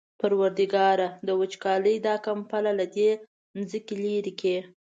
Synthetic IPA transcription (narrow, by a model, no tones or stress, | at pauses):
paɾwaɾd̪iɡɑɾad̪əwət͡ʃkɑləjd̪ɑkampalalad̪e | nzəkiliɾike